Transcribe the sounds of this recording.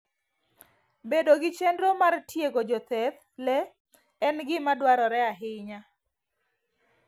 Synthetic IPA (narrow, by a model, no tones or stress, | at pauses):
bedoɡɪt͡ʃendɾomartʰjeɡod͡ʒɔt̪ɛt̪ | lɛː | nɡɪmadwaɾɔɾɛaɦɪɲa